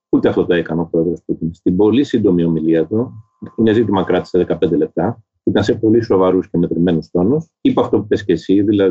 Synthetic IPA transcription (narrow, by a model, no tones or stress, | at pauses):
ut̪eɐft̪ot̪o̞e̞kɐneo̞pɾo̞e̞ðɾo̞sput̪inst̪ibo̞lisind̪o̞mio̞miliɐt̪u | ine̞zit̪̬imɐkɾɐt̪i̥seðekɐpe̞nd̪elep̚t̪ɐ | it̪ɐnse̞po̞liso̞vɐɾuscemet̪ɾime̞nust̪o̞nusipuɐft̪o̞pupe̞sce̞siðilɐ